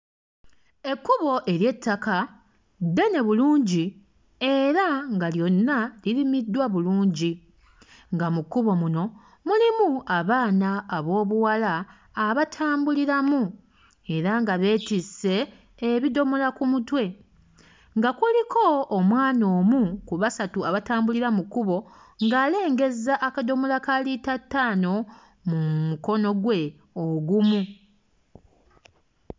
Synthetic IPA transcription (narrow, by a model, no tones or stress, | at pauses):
e̞kːuβo̞ʔe̞ɾje̞tːaka | dːe̞ne̞βuluːɲɟi | e̞ɾaŋɡaljo̞nːalilimidːwaβuluːɲɟi | ŋɡamukuβo̞muno̞ | mulimuaβaːnaːβo̞ːβuwalaː | βatʰaːmbuliɾamu | e̞ɾaŋɡaβe̞ːtise̞ː | βido̞molakumutwe̞ | ŋɡakulikʰo̞ːmwaːno̞ːmukuβasatuaβataːmbuliɾamukuβo̞ | ŋɡaːle̞ːŋɡe̞zaʔːkado̞molakalitatːaːno̞ | mumuko̞no̞ɡwe̞ | oɡumu